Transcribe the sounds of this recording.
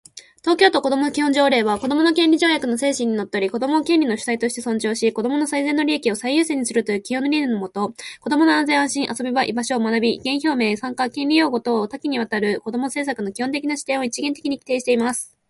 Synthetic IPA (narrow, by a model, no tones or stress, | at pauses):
t̪o̞ːkʲo̞ːt̪o̞ko̞d̪o̞mo̞nokʲihõ̞ɲ̟d͡ʑo̞ːɾe̞ːβako̞d̪o̞mo̞no̞kẽ̞nʲɾʲiʑo̞ːjakɯ̟no̞se̞ːɕĩɲ̟ino̞t̪ːeoɾʲiko̞d̪o̞mo̞ːkẽ̞nʲino̞ɕɨ̥sait̪o̞ɕi̥t̪e̞sõ̞ɲ̟t͡ɕo̞ːɕiko̞d̪o̞mo̞no̞saizẽ̞nːo̞ɾʲiekʲio̞saijɯ̟ːse̞ɲ̟isɨɾɯ̟t̪o̞jɯ̟ːkʲihõ̞nɾʲinɯnomo̞t̪o̞ko̞d̪o̞mo̞noãnzẽ̞ɰ̃ãɕĩɰ̃ʔaso̞bʲiβaʔḭbaɕo̞ːmanabʲiiɡẽ̞ɰ̃ço̞ːme̞ːsãŋkakẽ̞nʲɾʲijo̞ːɡo̞t̪o̞ːt̪akʲiɲ̟iβ̞at̪aɾɯ̟ko̞d̪o̞mo̞se̞ːs̬akɯ̟no̞kʲihõnt̪e̞kʲinaɕi̥t̪ẽɰ̃o̞it͡ɕiɡẽ̞nt̪e̞kʲiɲ̟ikʲi̥t̪e̞ːɕi̥t̪e̞imasɨ̥